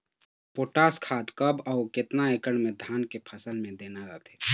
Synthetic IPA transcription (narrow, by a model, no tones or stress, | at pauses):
poːʈaːskʰaːd̪kəbɔːɾkɪt̪naekəɽmẽd̪ʱaːnkepʰəsəlmẽd̪eːnaɾət̪ʰe